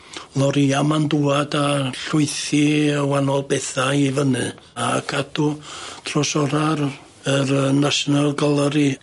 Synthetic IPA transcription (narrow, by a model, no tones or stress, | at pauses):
lˠɔɾiamanduːadaɬʊɨθiəwanɔlˠbɛθaivənɨ | akʰadʰutʰrɔsɔɾaɾ | əɾənaʃnalˠɡəlˠəɾi